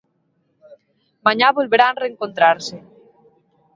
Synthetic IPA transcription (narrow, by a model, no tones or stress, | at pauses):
maɲaβolβeɾanreŋkont̪ɾaɾse